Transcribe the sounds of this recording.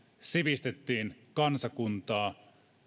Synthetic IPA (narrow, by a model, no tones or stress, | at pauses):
siʋist̪et̪ːiːnkɑnsɑkunt̪ɑː